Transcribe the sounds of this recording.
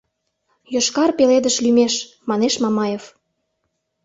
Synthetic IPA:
joʃkɑrpeled̪əʃlymeʃ | mɑneʃmɑmɑjef

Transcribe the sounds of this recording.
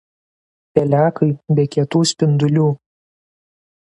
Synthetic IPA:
pʲɛlʲæːkɐɪbʲɛːkʲiɛt̪uːsʲpʲɪnd̪ʊlʲuː

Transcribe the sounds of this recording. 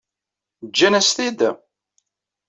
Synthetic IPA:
d͡ʒːænæst̪id̪

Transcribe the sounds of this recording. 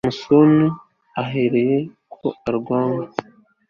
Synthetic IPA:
musonu | aɦe̞ɾe̞je̞ | kʰo̞aɾɡwaːma

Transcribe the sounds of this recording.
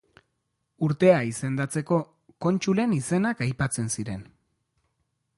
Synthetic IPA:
uɾt̪e̞aise̞nd̪at͡se̞ko̞ | ko̞nt͡ʃule̞nise̞nakajpat͡se̞nsiɾe̞n

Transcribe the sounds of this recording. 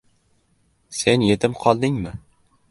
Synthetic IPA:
se̞nje̞t̪ʰɪmqʰɒlˠd̪ɪŋmɪ

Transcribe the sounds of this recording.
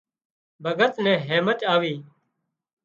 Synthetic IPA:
bʱəɡət̪nɛ̃ːɦeːmət̪aːʋiː

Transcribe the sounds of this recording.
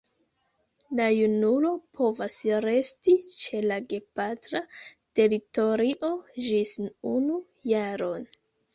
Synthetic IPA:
lajunulo̞pʰo̞vasɾe̞stit͡ʃe̞laɡe̞patɾate̞ɾito̞ɾiʔo̞d͡ʒisnunu | jaɾo̞n

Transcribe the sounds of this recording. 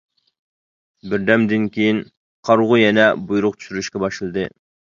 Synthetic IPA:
bɪɾd̪ɛmd̪ɪnkʲʰejin | qʰɑɾʁʊjɛnɛbujuɾʊq̚t͡ʃ̪ʰy̥ʃyɾyʃkʲɛbɑʃlˠɨd̪ɨ

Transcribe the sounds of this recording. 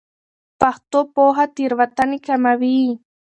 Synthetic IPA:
paχt̪opoɦat̪ɪɾβat̪anikamaβiː

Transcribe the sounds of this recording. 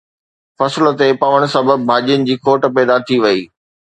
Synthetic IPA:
fɐslə̆t̪epɐʋəɽ̃ʊ̆sɐbəbbʱaːʄijənɪ̆d͡ʑiːkoːʈpɛːd̪at̪ʰiʋɐiː

